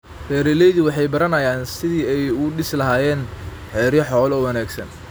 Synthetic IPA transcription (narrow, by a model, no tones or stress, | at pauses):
fɛːɾɛlɛjðʊwɑħɑjbɐɾɐnɐjaːnsɪðiːɛjʊɖɪslɐɦaːjɛːn | ħɛːɾjɐħɔːlɔːwɐnaːɡsɐ̰n